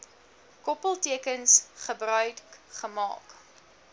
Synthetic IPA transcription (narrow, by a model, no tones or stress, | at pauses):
kɔpəlˠtiəkənsχəbrœɥχəmɑ̰ːk